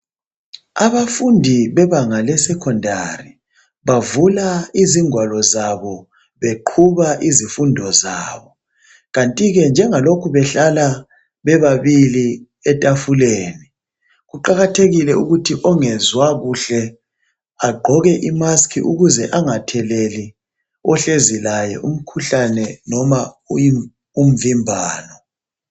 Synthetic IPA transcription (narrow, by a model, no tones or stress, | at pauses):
aβafundʱiβɛβaŋalɛsɛkʰɔndʱa̰ri | βavulaiziŋwalɔzaβɔ | βeǃʰuβaʔizifundʱɔza̰ːβɔ | ɣantʼiɣɛnd͡ʒʱɛŋalokʰuβɛɬala | βɛβaβili | ɛtʼafuleːni | ɣuǃaɣatʰeɣilɛuɣutʰiʔɔŋɛzwaɣuɬɛ | aɡ͡ǃʱɔɣɛʔimaskʰḭʔuɣuzɛʔaŋatʰɛleli | ɔɬezilajɛ̰ʔum̩kʰuɬanɛnɔma | ji | um̩vimbʱaːnɔ